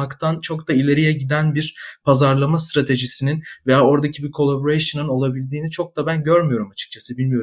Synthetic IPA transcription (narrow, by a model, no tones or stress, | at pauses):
akt̪ʰant͡ʃʰo̞kd̪ailʲe̞ɾijɛɟid̪ænbiɾpʰazaɾlˠamast̪ɾat̪ʰe̞ʒisininve̞jaːo̞ɾd̪acʰibiɾkʰo̞lˠaboɾejʃɯnɯno̞lˠabilʲd̪iːnit͡ʃʰo̞k̚d̪abænɟøɾmyjo̞ɾumat͡ʃʰɯ̥k̚t͡ʃʰasɯbilʲmijo̞ɾm